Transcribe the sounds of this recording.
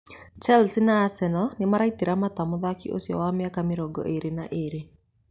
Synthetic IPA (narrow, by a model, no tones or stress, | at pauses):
t͡ʃalsinaːsɛnɔnemaɾait̪eɾamat̪amʊðakḭʔo̰sjɔ̰wamɛakameɾɔɡɔ̰ʔeɾenaʔeɾe